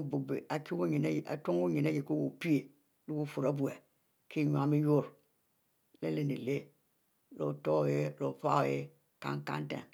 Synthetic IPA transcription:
bu˨bi˨a˨ki˦wu˦ɲi˨na˦jʔa̰˨to˦ŋ˦u˦ɲi˨na˦ji˨ko˦wo˨pi˦e˨ | lu˦wu˦˨fu˨ɾa˦bu˨e˨ | ki˦˨ɲu˨a˨mi˦jo˦ɾ | le˦le˨nḭ˨le˦ | lo̰˨to˦˨je˦lo˨pa˦o˨je˦ | ka̰˦ŋkã̰˦ntḛ˨

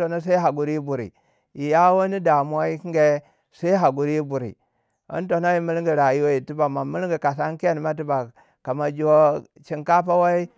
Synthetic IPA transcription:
to˨na˦s̬a˦i˦ɦa˨ɡu˨ɾi˦bu˨ɾḭ˨ | ji˨ja˦wo˦ni˦da˨mu˦a˦i˦ki˦ŋɡe˦ | sa˦i˦ɦa˨ɡu˨ɾi˦bu˨ɾḭ˨ | ḭ˦n˦to˨na˦ji˦mi˦lŋɡi˨ɾa˨ji˦wo˦ji˨ti˦ba˨ma˨mi˦lŋɡi˨ka˨s̬a˦n˦ke˦˨n˨ma˦t̬i˦ba˨ | ka˨ma˨d͡ʒo˦ | t͡ʃi˦ŋka˦p̬a˦wa˦i˦

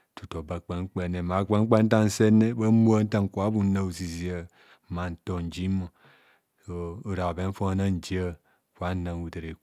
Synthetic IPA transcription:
tu˨to˨ba˨k͡pe˦ŋ̩˦k͡pe˦˨ne˨ma˨˦kʷa˦ŋ̩˦k͡pa˦n̩˦ta˦n̩˦se˦ne˦ba˦mu˦a˦n̩˦ta˦ŋ˨kʷa˨˦bu˦na˨u˨zi˨zi˨a˨ | ma˨n̩˨to˨n̩˨d͡ʒi˦mo˨ | so˨o˨ɾa˨be˨˦n˦fo˦a˦na˦n̩˨d͡ʒi˦a˦ | kʷa˦na˨ŋ˨u˨te˨ɾe˨

